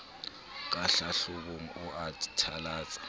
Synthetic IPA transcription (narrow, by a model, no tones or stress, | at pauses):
k̬ʼaɬaɬuɓuŋ̩uʔatʼi̥tʰalaːzʼḁ